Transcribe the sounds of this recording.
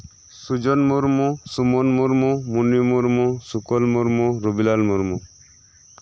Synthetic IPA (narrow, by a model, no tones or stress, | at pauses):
sud͡ʒɔnmuɾmusumɔnmuɾmumunːimuɾmusukɔlmuɾmuɾubilalmuɾmu